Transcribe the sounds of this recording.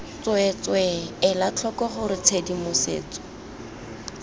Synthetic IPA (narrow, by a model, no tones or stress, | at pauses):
t͡swɛt͡swɛɛlat͡ɬʰɔkɔχʊɾɪt͡sʰedimʊsḛːt͡sɔ̥